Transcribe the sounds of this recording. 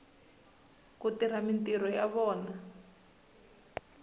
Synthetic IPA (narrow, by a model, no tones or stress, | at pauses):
kutiɾ̤amintiɾɔjaβɔːna